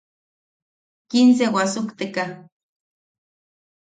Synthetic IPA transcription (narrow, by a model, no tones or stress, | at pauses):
kins̬ewasukt̪eka